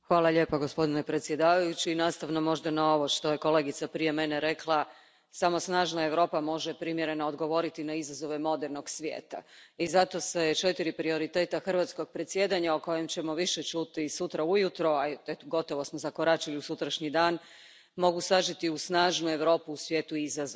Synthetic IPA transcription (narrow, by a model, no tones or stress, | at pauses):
xʋaːlˠaʎe̞ːpoɡospo̞d̪inepɾe̞t̪sje̞d̪aːʋajut͡ɕiːnaːst̪aʋnomo̞ʒd̪anao̞ʋo̞ʃt̪o̞je̞ko̞leɡit̪sapɾije̞meneɾe̞klˠa | samo̞snaːʒnae̞ʋɾo̞ːpamo̞ʒɛpɾimjeɾe̞naod̪ɡo̞ʋo̞ɾit̪inaizazo̞ʋe̞mo̞d̪eɾno̞ɡsʋjḛːt̪a̰izat̪o̞set͡ʃe̞t̪iɾipɾio̞ɾit̪e̞ːt̪axr̩ʋat̪sko̞ɡ̚pɾet̪sjed̪aɲaoko̞je̞mt͡ɕe̞mo̞ʋiʃet͡ʃut̪isut̪ɾaujut̪ɾo̞aet̪oɡo̞t̪o̞ʋo̞smozakoɾat͡ʃiliusut̪ɾaʃɲid̪aːn | mo̞ɡusaʒit̪iusnaːʒnue̞ʋɾo̞ːpuːsʋʲje̞ːt̪uizaz